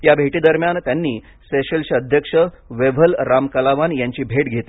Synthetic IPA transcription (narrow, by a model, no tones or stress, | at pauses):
jabʱeʈiːd̪əɾmjant̪janːiː | seɕelɕəəd̪ʱjəkʂə | ʋeʋəlɾamkalaʋanjaɲt͡ɕiːbʱeʈɡʱet̪